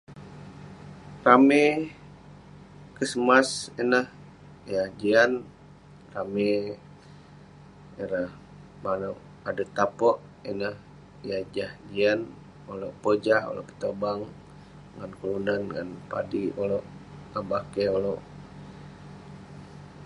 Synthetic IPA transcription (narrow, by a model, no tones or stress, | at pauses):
rame | kəsəmasinəh | jahd͡ʒian | rame | iɾah | mano | adat̪apɔʔ | inəh | jad͡ʒahd͡ʒian | oloʔpod͡ʒaho̰lo̰ʔkə̥t̪obaŋ | ŋankulunanŋa̰npa̰dioloʔŋabakeoloʔ